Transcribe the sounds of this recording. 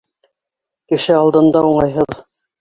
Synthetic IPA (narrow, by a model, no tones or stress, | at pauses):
kɘ̆ʃɘɑlˠd̪ɤ̆nd̪ɑuɴɑjɦɤð